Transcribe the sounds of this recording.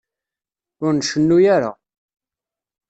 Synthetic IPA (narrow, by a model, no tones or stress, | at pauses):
ʊɾnʃənːujaɾa̰